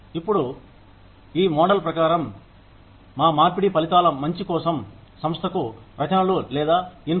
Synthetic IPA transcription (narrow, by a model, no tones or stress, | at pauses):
ipːuɽu | iːmɔːɽɐlpɾɐkaːɾɐmː | aːmaːɾpiɽipɐlit̪aːlɐmːɐɲt͡ʃikɔːsɐm | sɐmst̪ʰɐkupɾɐd͡ʒanɐlulɛːd̪aːin